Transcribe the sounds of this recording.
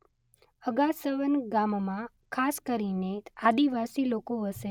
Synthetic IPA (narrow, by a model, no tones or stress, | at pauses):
əɡasəʋənɡammã | kʰaskəɾinead̪iʋasilokoɦəʃe